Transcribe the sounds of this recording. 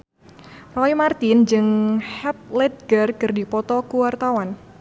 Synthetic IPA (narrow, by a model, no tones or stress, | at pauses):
rɔimart̪ɪnd͡ʒɨŋhɛp̚lɛd̪̚ɡ̥ərkɨrdipɔt̪ɔkuwart̪awan